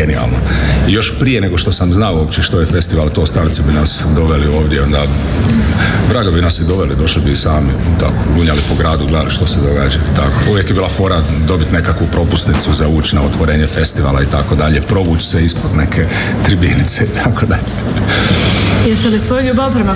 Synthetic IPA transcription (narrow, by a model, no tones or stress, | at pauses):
enia̰lˠnojo̞ʃpɾijeneɡo̞ʃt̪o̞samznaoopt͡ɕeʃt̪ojefest̪iʋalt̪o̞ːst̪aːɾt̪sibinasd̪o̞ʋelio̞ːʋd̪jeo̞nd̪a | bɾaːɡobinasid̪oʋelid̪o̞ʃlibiːsaːmit̪a̰koɡ̪uːɲalipoɡɾaːd̪uɡled̪aliʃt̪o̞sed̪o̞ɡaːd͡ʑait̪akouʋjekjebiːlafo̞ːɾad̪o̞bit̪ne̞kakʋupɾo̞pust̪nit̪suzauːt͡ɕnaot̪ʋoɾeːɲefe̞st̪iʋa̰lait̪ako̞d̪aʎepɾo̞ʋuːt͡ɕseispod̪nekʰe | t̪ɾibinit̪seit̪ʰakod̪aʎe | jest̪ɛlisʋojuʎubapɾema